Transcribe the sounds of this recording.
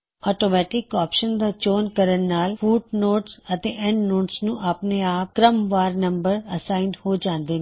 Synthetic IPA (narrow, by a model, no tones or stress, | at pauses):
ɔːʈoːmɛːʈɪkɔːpʃənd̪at͡ʃoːnkəɾənːaːlfuːʈ̚noːʈsət̪ẽːʔɛ̃ɳɖnoːʈsnũːʔapneaːp̚kɾəmʋaːɾnə̃mbəɾəsaːɪnɖhoːd͡ʒãːnd̪eːne